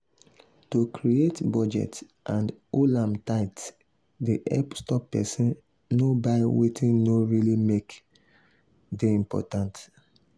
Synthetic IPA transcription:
tokɾietbɔd͡ʒɛ̰t | ʔãndolãmtaɪt | deʔɛ̰pstɔpːɛ̰sĩn | nobaɪwetĩnnoɹilimek | deĩmpɔ̰tãnt

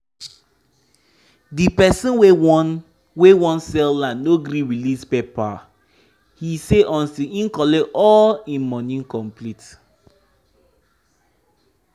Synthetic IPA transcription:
dipɛsĩnwe | wewɔ̃nsɛlãnːoɡɾĩɹilispepa | hiseʔɔ̃ntiĩnkɔleʔɔlĩnmɔnĩnkɔ̃mplit

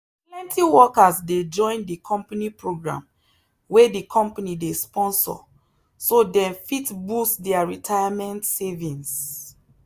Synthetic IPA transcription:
plɛ̃ntiwɔkasded͡ʒɔ̃ɪ̃ndikʰɔ̃mpanipɹoɡɹã̰m | wedikʰɔ̃mpanidespɔ̃nsɔ̰ | sodɛ̃mfitbustdɛaɹitʰajamɛ̃ntsevĩns

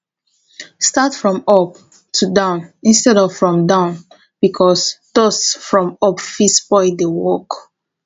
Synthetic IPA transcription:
statfɹɔ̃mɔp | tʰudãʊ̃nĩnstɛɾɔvfɹɔ̃mdãʊ̃n | b̥ikʰɔsd̥ɔsfɹɔ̃mɔpfispɔɪdewɔk

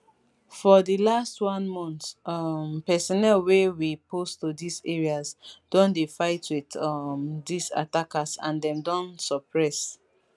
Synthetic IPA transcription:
fɔdilastwɔ̃nmɔ̃ntmpɛsɔnɛlwewipostudisɛɹiasd̥ɔ̃ndefaɪtwiθɔmdisa̰takasã̰ndɛ̃mdɔ̃nsɔpɹɛs

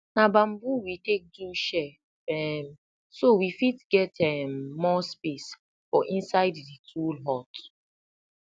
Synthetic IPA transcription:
nabãmbuwitek̚duʃɛ | ɛm | sowifitɡɛtɛmːɔspes | fɔ̰ʔĩnsaɪdːitʰulɦɔt

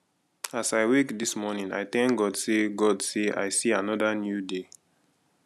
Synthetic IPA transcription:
asaɪwekdismɔnĩna̰ɪtɛ̃ŋkɡɔdseɡɔdsea̰ɪsianɔdanjude

